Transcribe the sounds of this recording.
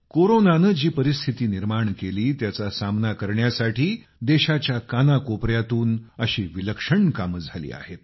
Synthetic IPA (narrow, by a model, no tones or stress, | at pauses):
koɾonanəd͡ʑiːpəɾist̪ʰit̪iːniɾmaɳkeliːt̪jat͡sasamnakəɾɳjasaʈʰiː | d̪eɕat͡ɕjakanakopɾjat̪uːnəɕiːʋiləkʂəɳkaməd͡zʱalḭːa̰ɦet̪̚